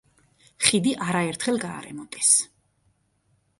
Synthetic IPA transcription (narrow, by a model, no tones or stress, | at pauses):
χid̪iʔaɾaɛɾt̪ʰχɛlˠɡa̰ːɾɛ̰mɔt̪ʼɛs